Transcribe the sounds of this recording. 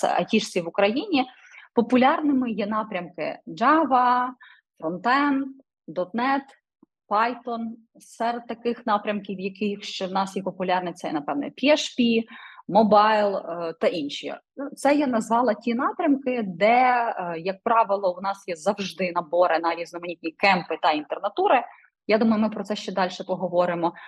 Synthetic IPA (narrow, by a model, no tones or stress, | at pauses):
sɛ̰ʔɐ̰tʲiʃʲiʋʊkɾɐjinʲi | pɔpʊlʲɑrnɪmɪjɛnɑpɾʲɐmkɪ̰d͡ʒɑʋɐ | fɾɔnt̪ɛn | d̪ɔt̪nɛt̪ | pɑjt̪ɔn | sɛɾɛd̪̚t̪ɐkɪxnɑpɾʲɐmkʲiwjɐkɪxʃt͡ʃɛwnɑsjɛpɔpʊlʲɑrnɛt̪sɛjɛ̰nɐpɛʋnɛ̰pʲiɛʃpʲimɔbɑjlˠt̪ɐʔinʃi | t̪sɛjɛnɐzʋɑlˠɐtʲinɑpɾʲɐmkɪd̪ɛjɐk̚pɾɑʋɪlˠɔwnɑsjɛzɐwʒd̪ɪnɐbɔɾɪnɐɾʲiznɔmɐnʲit̪ʲnʲikɛmpɪt̪ɐint̪ernɐt̪uɾɪ | jad̪umɐjʊmɪpɾɔt̪sɛʃt͡ʃɛd̪ɑlʲʃɛpɔɦɔʋɔɾɪmɔ